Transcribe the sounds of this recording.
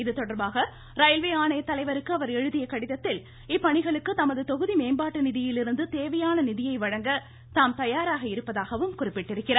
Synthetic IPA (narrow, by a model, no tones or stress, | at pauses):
ɪðɯt̪ɔɽɐɾbaːɣɐ | ɾɐjlʋeːaːɳɐjɐt̪ːɐlɐɪʋɐɾɯkːɯɐʋɐɾɛɻɯðɪjɐkɐɽɪðɐt̪ːɪl | ɪpːɐɳɪɣɐɭɯkːɯt̪ɐmɐðɯt̪ɔɣɯðimeːmbaːʈːɯnɪðɪjɪlɪɾɯnd̪ɯt̪eːʋɐjaːnɐnɪðɪjɐɪʋɐɻɐŋɡɐ | t̪aːmt̪ɐjaːɾaːɣɐɪɾɯpːɐðaːɣɐʋɯmkʊrɪpːɪʈːɪɾɯkːɪraː